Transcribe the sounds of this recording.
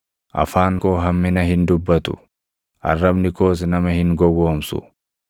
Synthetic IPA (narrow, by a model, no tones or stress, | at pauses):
ʔɐ̰faːŋkoːɦɐmːɪnɐɦɪnd̪ʊbːɐt̪ʊ̰ | ʔɐ̰rːɐbnɪko̞ːs̬nɐmɐhɪŋɡɔɡo̞ːmsʊ̰